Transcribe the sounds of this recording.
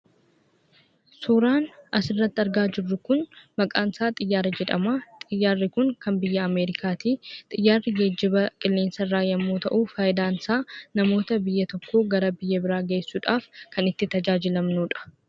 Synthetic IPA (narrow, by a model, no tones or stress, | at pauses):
suːɾaːnɐsɪrːɐt̪ːɐɾɡaːd͡ʒɪrːʊkʊnmɐkʼaːnsaːt̪ʼɪjːaːɾɐd͡ʒɛᶑɐ̰mat̪ʼɪjːaːrːɪkʊŋkɐmbɪjːɐːme̞ːɾɪkʰaːt̪iːt̪ʼɪjːaːrːɪɡeːd͡ʒːɪbɐkʼɪlːeːnsɐrːaːjɐmːoːt̪ɐʔuːfaːjɪd̪aːnsaːnɐmo̞ːt̪ɐbɪjːɐt̪ɔkʰːo̞ːɡɐɾɐbɪjːɐbɪɾaːɡe̞ːsːuːᶑaːfkɐnɪt̪ːɪt̪ɐd͡ʒaːd͡ʒɪlɐmnuːᶑɐ̥